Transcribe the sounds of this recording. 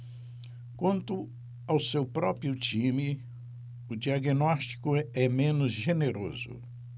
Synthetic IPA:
kwɐ̃nt̪ʊ | awsewpɾɔpɾiʊt͡ʃĩmɪ | ʊd͡ʒiaɡinɔst͡ʃi̥kʊɛmẽnʊzʒeneɾo̰zʊ̰

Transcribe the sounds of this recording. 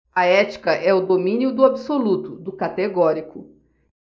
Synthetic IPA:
ɐɛt͡ʃi̥kɐʔɛʊd̪omĩniʊd̪ʊabisolut̪ʊd̪ʊkat̪eɡɔɾikʊ

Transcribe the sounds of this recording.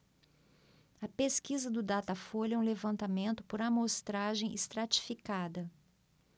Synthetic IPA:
ɐpeskizɐd̪ʊd̪at̪ɐfoʎɛũlevɐ̃nt̪amẽnt̪ʊ̥poɾamost̪ɾaʒẽj̃ʔist̪ɾat͡ʃi̥fikad̪ɐ

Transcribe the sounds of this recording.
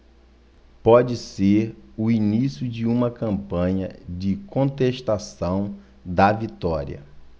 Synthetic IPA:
pɔd͡ʒɪseɾʊinisjʊd͡ʒɪũmɐkɐ̃mpɐ̃ɲɐ̰d͡ʒɪkõnt̪eʃt̪asɐ̃w̃ | d̪ɐvit̪ɔɾḭɐ̰

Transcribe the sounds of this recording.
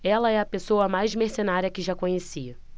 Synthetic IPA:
ɛlɐɛɐpesoɐmajzmeɾsenaɾiɐkɪʒakõɲesiɐ

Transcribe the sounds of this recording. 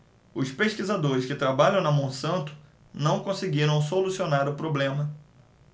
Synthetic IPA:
ʊspeʃkizad̪oɾɪskɪt̪ɾabaʎɐ̃w̃nɐmõw̃sɐ̃nt̪ʊ̥ | nɐ̃w̃kõsɪɡiɾɐ̃w̃solusionaɾʊpɾoblẽmɐ

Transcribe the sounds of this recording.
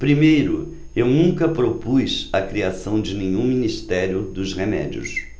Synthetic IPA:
pɾimejɾʊ | ewnũŋkɐpɾopujsɐkɾiasɐ̃w̃d͡ʒɪnẽɲũminist̪ɛɾjʊd̪ʊzʁemɛ̰d͡ʒiʊ̰s

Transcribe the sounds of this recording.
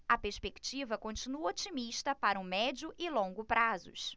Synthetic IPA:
ɐpeɾspekt͡ʃivɐkõt͡ʃĩnuɐot͡ʃimiʃt̪ɐpaɾɐumɛd͡ʒʊʔɪlõŋɡʊpɾazʊ̰ʃ

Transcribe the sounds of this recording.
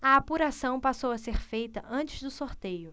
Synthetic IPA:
ɐapuɾasɐ̃w̃pasowɐseɾfejt̪ɐʔɐ̃nt͡ʃɪzd̪ʊsoɾt̪ejʊ

